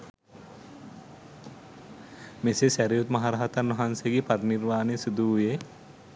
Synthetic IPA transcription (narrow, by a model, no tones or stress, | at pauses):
mesesæɾijut̪mɐɦaɾaɦat̪ɐnʋɐɦanseɡipaɾniɾmaːnesud̪uːje